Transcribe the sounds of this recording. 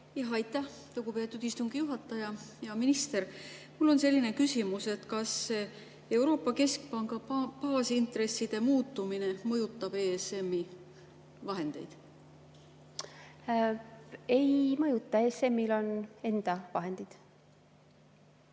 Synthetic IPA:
jɑɦɑjt̪ːˑæh | luɡ̥upe̞ːt̪ːˑud̪ist̪uŋɡijuɦɑt̪ːˑɑjɑjɑminist̪eɾmulːo̞nse̞lʲːinekysʲimuse̞t̪kɑs | e̞uɾo̞ːpːˑɑke̞sk̚pɑŋɡɑpɑːsint̪ɾe̞sːid̪̥e̞muːt̪ˑːumine̞mɤjut̪ːɑb̥eese̞mːi | vɑɦe̞nd̪̥e̞jd̪̥ | e̞jmɤjut̪ːˑɑeːse̞mːilo̞ne̞nd̪̥ɑvɑɦe̞nd̪̥id̪̥

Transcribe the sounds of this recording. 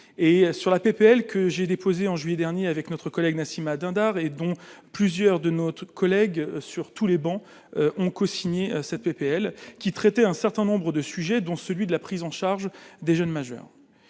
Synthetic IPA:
esyʁlapepeɛlkʰəʒed̪epʰozeɑ̃ʒɥijɛd̪ɛʁnjeavɛknɔt̪χəkɔlɛɡnasimad̪ɛ̃d̪aʁed̪ɔ̃plyzjœʁd̪ənot̪kʰɔlɛɡsyʁt̪ulebɑ̃ | ʔɔ̃kosiɲesɛt̪̚pepeɛlkʲit̪χɛt̪ɛɛ̃sɛʁt̪ɛ̃nɔ̃bʁəd̪əsyʒɛd̪ɔ̃səlɥid̪əlapχizɑ̃ʃaʁʒd̪eʒœnmaʒœ̰ːʁ

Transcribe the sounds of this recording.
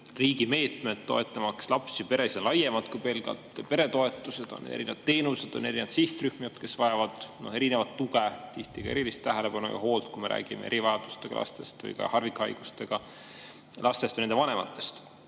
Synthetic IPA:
riːɡime̞ːt̪ˑmed̪̥t̪ːo̞e̞t̪ˑːɑmɑkslɑpsipe̞ɾe̞siɑnlɑje̞mɑd̪̥kujpe̞lɡ̥ɑ̰lt̪pe̞ɾe̞t̪o̞e̞t̪ːˑuse̞d̪̥onḛɾinevɑd̪̥t̪ːe̞ːnuse̞d̪̥o̞ne̞ɾinevɑt̪siht̪ryhmiɑt̪ke̞svɑjɑvɑd̪̥no̞he̞ɾine̞vɑt̪ːuɡet̪iht̪iɡ̥ɑeɾilist̪t̪ːæɦele̞pɑnujɡɑ̰ho̞ːlt̪̚kume̞ɾʔæ̰ːɡ̥imee̞̰ɾivɑjɑd̪̥ust̪eɡ̥ɑ̰lɑ̰st̪e̞st̪vɯ̰jɡ̥ɑ̰hɑrvikːˑɑjɡ̥ust̪e̞ɡ̥ɑ | lʔɑst̪est̪venend̪evɑne̞mɑ̰t̪ːˑe̞st̪

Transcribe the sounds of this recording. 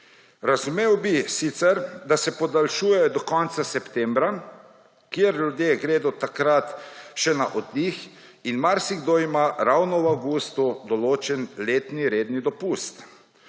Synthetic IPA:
ɾazumeːwbisit̪sɛɾd̪asɛpɔd̪alʃuːjɛjɔd̪ɔkɔnt̪sasɛpt̪ɛmbɾa | kjeɾljud̪jeɡɾeːd̪ɔt̪akɾat̪ʃɛnaʔɔd̪nix | inmaɾsiɡd̪oimaɾawnɔwawɡust̪ud̪ɔloːt͡ʃɛnleːt̪niɾeːd̪nid̪ɔpust̪

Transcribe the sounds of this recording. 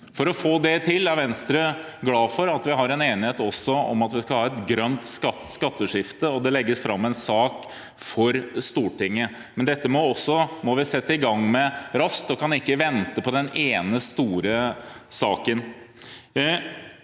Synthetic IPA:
fɔɾɔfoːd̪ɛt̪ʰɪlːæɾʋɛnst̪ɾə | ɡlɑːfɔɾɑt̪ʋɪɦɑɾɛneːnɪheːt̪ɔsːɔɔ̰mɑt̪ʋɪskɑlhɑːɛt̪ɡɾœnt̪skɑt̪skɑt̪ːəʂɪft̪əɔd̪ɛlɛɡːəsfɾɑmːɛnsɑːk | fɔɾst̪uːʈɪŋːə | mɛnd̪ɛt̪ːəmɔɔsːɔmɔʋɪsɛt̪ːəɪɡɑŋmɛɾɑst̪ɔkʰɑnɪkːəʋɛnt̪əpʰɔd̪ɛneːnəst̪uːɾəsɑːkən

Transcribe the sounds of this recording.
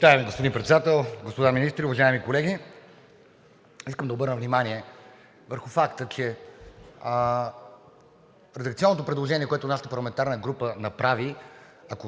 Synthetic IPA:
vit̪aɛmɛɡospod̪inpɾɛt̪sɛd̪at̪ɛlˠɡospod̪aminist̪ɾiʊvɐʒaɛmikolɛɡ̟i | iskəmd̪ɐobɤɾnəvnʲimaniɛ | vəɾxʊfakt̪ət͡ʃɛ | ɾɛd̪ɐkt̪iɔnːot̪opɾɛd̪lˠoʒɛnʲiɛkoɛt̪ʊnaʃət̪əpɐɾlˠɐmɛnt̪aɾnəɡɾupənɐpɾavi | ɐko

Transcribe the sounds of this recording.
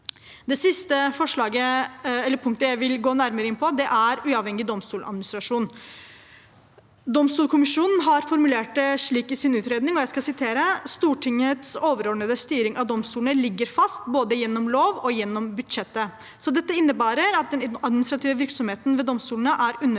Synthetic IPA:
d̪ɛsɪst̪əfɔʂɭɑːɡəɛlːəɾpʰʊŋk̚t̪əjæɪʋɪlɡoːnæɾməɾəɪnpʰɔd̪ɛʔæɾʉːɑʋhɛŋːɪd̪ɔmst̪uːlɑ̰d̪mɪnɪst̪ɾɑʂuːn | d̪ɔmst̪uːlkʰʊmɪʂuːnn̩ɦɑɾfɔɾmʉleːʈ̚ɛʂɭiːkɪsɪnʉːt̪ɾeːd̪nɪŋɔjæɪskɑsɪt̪ʰeːɾəst̪uːʈʰɪŋət̪soːʋəɾɔɖɳəd̪əst̪yːɾɪŋɑʋd̪ɔmst̪uːlnəlɪɡːəɾfɑst̪boːd̪əjɛnːɔmloːʋɔjɛnːɔmbʉd̪ʂɛt̪ːə | sɔd̪ɛt̪ːəɪnːəbæːɾəɾɑt̪̚d̪ɛnɑd̪mɪnɪst̪ɾɑt̪ʰiːʋəʋɪɾksɔmheːt̪nʋɛd̪ɔmst̪uːlənəʔæɾʉnːə

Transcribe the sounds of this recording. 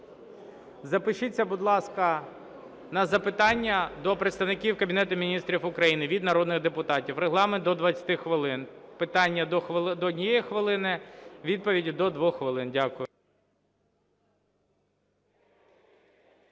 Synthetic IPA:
zɐpɪʃɪt͡sʲːɐbʊd̪lˠɑskɐ | nɐzɐpɪt̪ɑnʲːɐd̪ɔpɾet̪st̪ɐʋwnɪkʲiwkɐbʲinɛt̪ʊmʲinʲist̪ɾʲiwʊkɾɐjinɪʋʲid̪nɐɾɔd̪nɪɣd̪epʊt̪ɑtʲiwreɦlˠɑment̪d̪ɔd̪ʋɐt͡sʲɐ̥t̪ɪxʋɪlˠɪnpɪt̪ɑnʲːɐd̪ˠd̪ɔdʲnʲijɛjixʋɪlˠɪnɪʋʲid̪̚pɔʋʲidʲid̪ɔd̪ʋɔxxːʋɪlˠɪndʲakʊjʊ

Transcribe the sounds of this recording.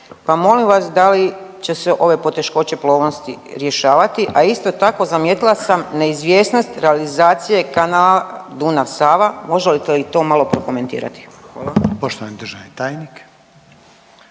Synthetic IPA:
pamo̞limʋasd̪alit͡ɕe̞seʔo̞ʋe̞po̞t̪e̞ʃko̞t͡ɕe̞plˠo̞ːʋno̞st̪ḭɾje̞ʃaːʋat̪iʔaist̪ot̪ako̞zamjet̪ilˠasamne̞izʋje̞ːsno̞st̪ɾe̞alizaːt̪sije̞kanaːlad̪unasaːʋamo̞ʒelit̪elit̪o̞malˠo̞pɾo̞ko̞me̞nt̪ḭːɾa̰t̪i̥xʋaːlˠapoʃt̪oʋanid̪ɾʒanit̪aːjnik

